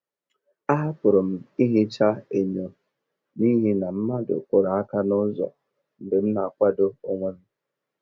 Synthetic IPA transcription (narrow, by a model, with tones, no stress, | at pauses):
a˦ɦa˦kʷʊ˨ɾo˨m̩˨i˦ɦi˦t͡ʃa˦e˨ɲo˨ | ni˦ɦi˦na˨m̩˦ma˦dʊ̰˨kʷo˨ɾa˨a˦ka˦nʊ˦zɔ̰˨ | n̩˨dɪ˨m̩˦na˨a˨kʷa˦do˦o˦ŋʷe˦n̩˦